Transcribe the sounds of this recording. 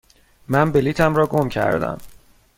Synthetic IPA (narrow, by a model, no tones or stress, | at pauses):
mænbeliːt̪ʰæmɾɒːɡomcʰæ̰ɾd̪æ̰m